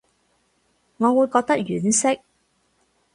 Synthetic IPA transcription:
ŋɔː˨˧wuː˨˧jkɔː˧k̚t̪ɐ˥k̚jyː˨˩nsɪ˥k̚

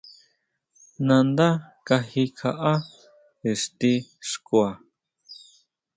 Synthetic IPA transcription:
nã˧nd̪a˦ka˧hi˧kʰa˧ʔa˦ | e˨ʂt̪i˧ʂkwa˨

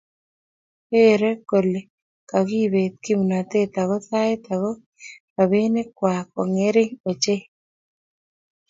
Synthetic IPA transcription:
e˦ɾe˦ko˨le˨ | ka˨ɡi˦βe˨t̪̚ki˦mu˨na˨t̪e˦t̪a˨ɡɔ˦t̪a˦e˦t̪a˨ɣɔ˦ | ka˨βe˦ne˦kwa˨kɔ˨ŋe˦ɾɪ˦ŋo˨t͡ʃe˦

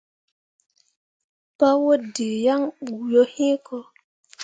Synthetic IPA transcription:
pa˦wo˦de˨ja˦ŋɓu˨jo˦hĩ˦kɔ˦

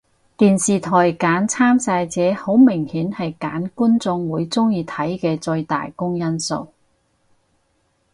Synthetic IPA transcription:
t̪iː˨nsiː˨t̪ʰɔː˨˩jkaː˨˥nt͡sʰaː˥msaː˧jt͡sɛː˨˥ho˨˥wmɪ˨˩ŋhiː˨˥nhɐ˨jkaː˨˥nkuː˥nt͡sʊ˧ŋwuː˨˧jt͡sʊ˥ŋjiː˧t̪ʰɐ˨˥jkɛː˧t͡sɵ˧ɥt̪a̰ː˨jkʊ˥ŋjɐ˥nso̰˨˧w

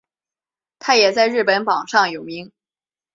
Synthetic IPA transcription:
t̪ʰa˥jɛ˨˩t͡sa˥˧ɪɻɻ̩˥˩pə˧˥npɑ˨˩ŋʂɑ˥˩ŋjo˨˩ʊmi˧˥ŋ

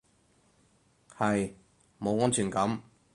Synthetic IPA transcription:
hɐ˨j | mo˨˧wŋɔː˥nt͡ʃʰyː˨˩nkɐ˨˥m

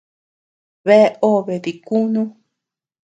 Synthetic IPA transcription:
βe˦o˦˨βe˨ði˨ku˦nũ˦

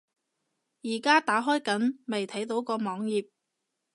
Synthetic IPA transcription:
jiː˨˩kaː˥t̪aː˨˥ɦɔː˥jkɐ˨˥nme˨˩jt̪ʰɐ˨˥jt̪o˨˥wkɔː˧mɔː˨˥ŋjiː˨p̚

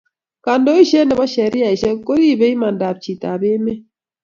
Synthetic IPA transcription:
ka˨ndo˦i˦ʃɛ˦nɛ˨bɔ˦ʃɛ˨ɾi˦a˨i˨ʃɛ˦ko˦ɾi˦˨be˦i˦ma˨n˨da˨b̚t͡ʃi˨ta˨be˦me˦

